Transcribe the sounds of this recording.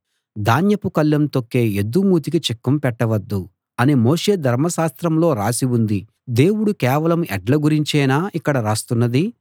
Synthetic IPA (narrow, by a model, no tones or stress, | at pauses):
d̪aːnjɐpukɐlːɐmt̪okːe̞ːed̪ːumuːt̪̬ikit͡ʃekːɐmpɛʈːɐʋɐd̪ːu | ɐnimo̞ːʂe̞ːd̪ʱɐɾmɐʃaːst̪ɾɐmlo̞ːɾaːsiund̪i | d̪e̞ːwuɽukɛːʋɐlɐmɛɖlɐɡuɾiɲt͡ʃɛːnaːʔikːɐɽɐɾaːst̪unːɐd̪i